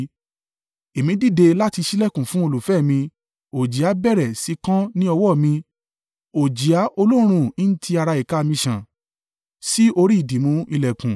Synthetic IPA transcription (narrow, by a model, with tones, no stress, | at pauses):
e˨mĩ˨˦di˦˨de˧la˦ti˧ʃi˦lɛ˦˨kũ˨fũ˦o˧lu˨fɛ˦˨mĩ˧ | o˨d͡ʒi˨a˨˦bɛ˦˨ɾɛ˨si˨˦kã˦nĩ˦ɔ˧wɔ˦˨mĩ˧ | o˨d͡ʒi˨a˨˦ʔo˧lo˦ɾ̃ũ˦ĩ˦n̩˦tʰi˧a˧ɾa˧i˨ka˦˧mĩ˧ʃã˨ | si˦o˧ɾi˦i˦˨di˨mũ˨˦i˧lɛ˨kũ˨